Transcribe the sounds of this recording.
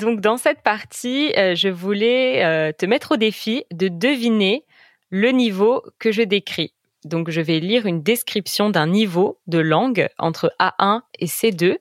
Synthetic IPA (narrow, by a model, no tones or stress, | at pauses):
d̪ɔ̃kd̪ɑ̃sɛt̪̚paʁt̪iøʒəvulɛøt̪əmɛt̪χod̪efid̪əd̪əvine | lənivokəʒəd̪ekχi | d̪ɔ̃kʒəvɛliʁynd̪eskχipsjɔ̃d̪ɛ̃nivod̪əlɑ̃ɡɑ̰̃t̪χəʔaʔɛ̃esed̪ø